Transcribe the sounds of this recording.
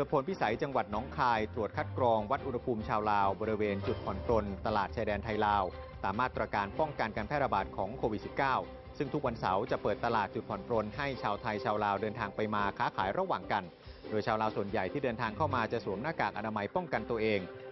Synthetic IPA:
pɤː˨˩t̪pʰo˨˦npi˦˥sa˩˦jt͡ɕa˧ŋwa˨˩t̪̚nɔː˦˥ŋkʰaː˧jt̪ɾu˨˩ət̪̚kʰa˦˥t̪̚kɾɔː˧ŋwa˦˥t̪̚ʔu˧nha˧pʰuː˧mt͡ɕʰaː˧wlaː˧wbɔː˧ɾi˦˥weː˧nt͡ɕu˨˩t̪̚pʰɔ˨˩˦npɾo˧nt̪a˧laː˨˩t̪̚t͡ɕʰaː˧jdɛː˧nt̪ʰa˧jlaː˧w | saː˨˩mːaː˥˩t̪ɾa˧kaː˧npɔ˥˩ŋka˧nkaː˧npʰɛː˥˩ɾa˧baː˨˩t̪̚kʰɔː˩˦ŋkʰoː˧wi˨˩t̪̚si˨˩p̚kaː˥˩w | sɯ˥˩ŋt̪ʰu˦˥k̚wa˧nsa˩˦wt͡ɕa˨˩pɤː˨˩t̪ːa˧laː˨˩t̪̚t͡ɕu˨˩t̪̚pʰɔ˨˩˦npɾo˧nɦa˥˩jt͡ɕʰaː˧wt̪ʰa˧jt͡ɕʰaː˧wlaː˧wdɤː˧nt̪ʰaː˧ŋpa˧jmaː˧kʰaː˦˥kʰaː˩˦jɾa˧waː˨˩ŋka˧n | doː˧jt͡ɕʰaː˧wlaː˧wsu˨˩ənja˨˩jt̪ʰiː˥˩dɤː˧nt̪ʰaː˧ŋkʰa˥˩wmaː˧t͡ɕa˨˩su˩˦mnaː˥˩kaː˨˩k̚ʔa˧naː˧ma˧jpɔ˥˩ŋka˧nt̪u˧əʔeː˧ŋ

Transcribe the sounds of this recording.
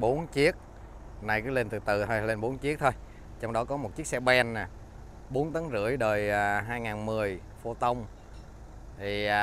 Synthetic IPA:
ɓo˨˦nt͡ɕi˦˥ək̚ | na˨˩jkɨ˨˦le˧nt̪ɨ˨˩t̪ɨ˨˩t̪ʰo˧jle˧nɓo˨˦nt͡ɕi˦˥ək̚t̪ʰo˧j | t͡ɕɔ˧wŋ͡mɗɔ˨˦kɔ˨˦mo˨˩t̚t͡ɕi˦˥ək̚sɛ˧ɓɛ˧nːa˨˩ | ɓo˨˦ənt̪ə˨˦ŋzɨ̰˧˩˨əjɗəː˨˩jaː˨˩ɦaː˧jŋaː˨˩nmɨ˨˩əj | fo˧t̪ə˧wŋ͡m | t̪ʰiː˨˩˨

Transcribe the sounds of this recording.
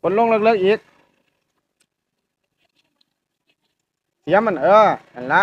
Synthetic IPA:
ko˧˦nlo˥ŋləː˧k̚ləː˧˥kʔiː˨˦k̚ | ja˧˦˥ma˧˨nʔəː˧˩a˨nla˦˥

